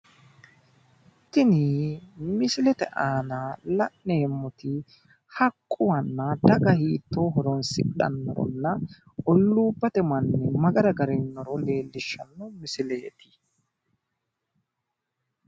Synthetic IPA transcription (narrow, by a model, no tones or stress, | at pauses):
t̪ːɪnimɪsɪlɛt̪ɛ̰ʔaːnalɐʔneːmːʊt̪ɪ | hɐkʼːʊwɐnːɐd̪ɐɡɐhiːt̪ːoːɦɔɾɔnsɪ̰ɗɐ̰nːɔ̰ɾɔ̰nːɐ | ɔlːuːbːɐt̪ɛmɐnːɛmɐɡɐɾɐɡɐɾɛnːɔɾɔle̞ːlːɪʃːɐnːɔmɪsɪlɛjt̪ʰɪ̥